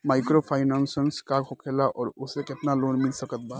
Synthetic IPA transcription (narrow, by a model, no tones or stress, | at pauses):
maːɪkɾopʰaːɪnansənskakʰokʰelaʔɔːɾʊseket̪naloːnmilsəkət̪̚bʱa